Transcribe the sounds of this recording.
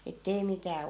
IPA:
etːei mitæː

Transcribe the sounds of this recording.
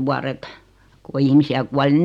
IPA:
ʋuɑret ko ihmisiæ kuɑli

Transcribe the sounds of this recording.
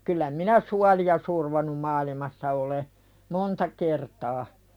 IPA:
kylːæ minæ suɑliɑ surʋonum mɑːlimɑsːɑ ole montɑ kertɑː

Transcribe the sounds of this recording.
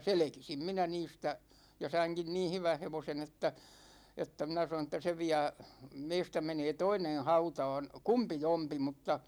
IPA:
selekisim minæ niːstæ jɑ sɑiŋkin niːn̞ hyʋæn̞ heʋosen etːæ etːæ minæ sɑnon̞ etːæ se ʋiæ meistæ meneː toinen̞ hɑutɑ̝ːn̞ kumpijompi mutːɑ

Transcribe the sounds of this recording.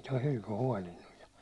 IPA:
toi hylky huɒlinːuj jɑ

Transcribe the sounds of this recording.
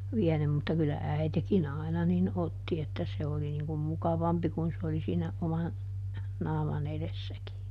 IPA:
ʋiɛnym mutːɑ kylːæ æitekin ɑˑinɑ nin otːi etːæ se oli niŋ kum mukɑʋɑmpi kun s oli siːnæ omɑn nɑːmɑn eðesːæki

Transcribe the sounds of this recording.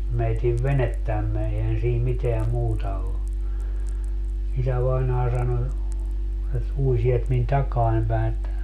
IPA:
meitiʋ ʋenetːæmːe eihæn siːm miteæ muːtɑ o isæʋɑinɑː sɑno et ui sielt min tɑkɑːn pæi̯ etːæ

